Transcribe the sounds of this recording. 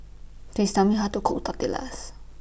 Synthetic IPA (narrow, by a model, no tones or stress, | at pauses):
tist̪amiɦat̪ukʰuʔut̪at̪ila̰s